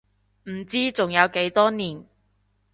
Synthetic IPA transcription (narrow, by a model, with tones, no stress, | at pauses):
m̩˨˩t͡siː˥t͡sʊ˨ŋjɐ˨˧wke˨˧˥jt̪ɔː˥niː˨˩n